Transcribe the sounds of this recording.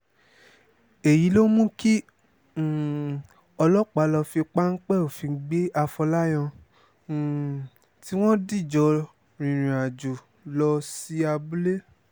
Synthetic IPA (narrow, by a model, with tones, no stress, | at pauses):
e˨ji˨˦lo˦mũ˦ki˦˨ | ɔ˧lɔ˦k͡pa˨˦lɔ˧fi˧k͡pa˦ŋ̩˦k͡pɛ˦˨o˨fi˨˧˦ɡ͡be˦a˧fɔ˧la˦j̃ã˧˨ | ti˨˦w̃ɔ̃˦di˦˨d͡ʒɔ˧ | ɾ̃ĩ˨ɾ̃ĩ˨a˨d͡ʒu˨ | lɔ˧si˨˦a˧bu˦le˦